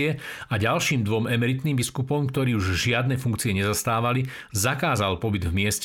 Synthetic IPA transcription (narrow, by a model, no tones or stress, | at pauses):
ɛaɟalʃiːmd̪ʋɔmɛmɛɾit̪niːmbiskupɔmkt̪ɔɾiːuʒʒɪad̪nɛfuŋk̚t͡siɪɛɲɛzast̪aːʋali | zakaːzalpɔbid̪vmɪɛsc